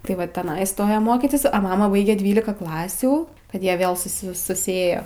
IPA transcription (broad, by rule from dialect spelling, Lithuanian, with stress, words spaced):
tɐɪ ˈʋɐ tʲɛˈnɐɪ ɪˈstoːjɛ ˈmoːkʲɪtʲɪs oː ˈmɑːmɐ ˈbɐɪɡʲɛ ˈdʲʋʲiːlʲɪkɐ ˈklˠɑːsʲuː kɐt ˈjiɛ ˈʋʲeːlˠ sʊˈsʲɪ sʊsʲɪˈeːjoː